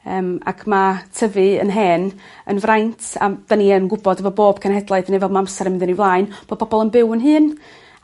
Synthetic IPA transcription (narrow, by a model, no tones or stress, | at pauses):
əːma̰kʰmatʰəvɨə̰nɦɛːn | ənvrajntʰa̰daniənɡʊbɔdəvɔboːb̥̚kʰənhɛdlˠaɨθnɛvɛlˠmaamsɛɾəmɪnðənivlˠaːɨnb̥oːd̥̚pʰɔbɔlˠənbɪwənɦɨːn